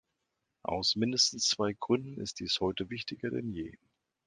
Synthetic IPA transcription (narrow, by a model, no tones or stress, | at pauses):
ʔa̰ʊsmɪndəstn̩st͡sv̥aɪɡ̥ʁʏndn̩ɪ̰std̥iːshɔʏtəvɪçtʰɪɡɐdɛ̰njḛː